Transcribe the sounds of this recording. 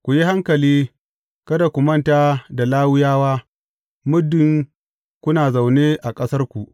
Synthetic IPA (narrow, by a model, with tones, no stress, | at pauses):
kʷu˨ji˦ha˦ŋkɐ˨liː˦ | kɐ˦da˨kʷʊ˨mɐ˦nta˦da˨laː˦wʊ˦jaː˦waː˦ | mʊ˦dːɪ˨ŋ | kʷʊ˦naː˨za˨wneː˦ʔa˨kʼɐ˦sɐ˦rkʷu˨ʔ